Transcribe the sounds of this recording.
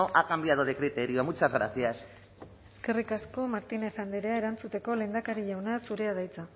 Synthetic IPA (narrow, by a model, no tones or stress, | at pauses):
oʔakambiaðoðekɾit̪eɾioamut͡sazɣɾa̰θias | eske̞rikasko̞maɾt̪inefand̪eɾeaeɾant͡sut̪e̞ko̞le̞nd̪akaɾiʎawnasuɾe̞að̞ajt͡sa